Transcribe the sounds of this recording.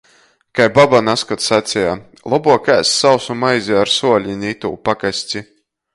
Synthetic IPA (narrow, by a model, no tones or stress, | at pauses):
kajbabanaskat̪sat̪sʲɛja | lˠɔbuɔkæːsːawsumajzʲiaɾsuɔlʲinʲit̪ṵːpakasʲt͡sʲi